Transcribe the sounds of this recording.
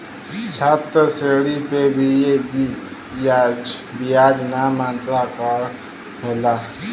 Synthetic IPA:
t͡ʃʰat̪ɾseɽipebʱijebi | ad͡ʒbijad͡ʒnamant̪ɾakəɾ | ɦola

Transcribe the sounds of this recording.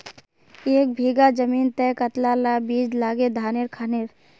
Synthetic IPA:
eːk̚bʱiːɡad͡ʒəmiːnt̪ɛːkɐt̪lalabiːd͡ʒlaːɡed̪ʱaːnɪɾkʰaːnɪɾ

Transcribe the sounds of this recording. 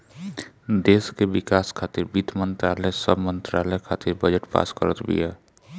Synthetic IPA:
d̪eːskeʋɪkaːskʰaːt̪ɪɾbid̪mə̃nt̪ɾaːləsəbʱmə̃nt̪ɾaːləjkʰaːt̪ɪɾbəd͡ʒəʈpa̰ːskəɾət̪bʱḭɛː

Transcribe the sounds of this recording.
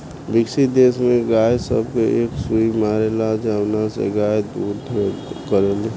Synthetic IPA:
bɪksid̪eːsmẽɡaːjsə̰bkoʔeːksuimaːɾelad͡ʒəwnasḛɡaːjd̪uːɾd̪ʱekəɾele

